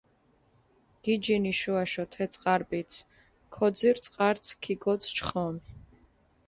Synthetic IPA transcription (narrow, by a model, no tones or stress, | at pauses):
ɡ̥id͡ʒiniʃuaʃɔt̪ʰɛt̪sʼqʼaɾbit̪sʰ | kʰɔd̪ziɾt̪sʼqʼaɾt̪sʰkʰiɡɔt̪sʰt͡ʃʰχɔmi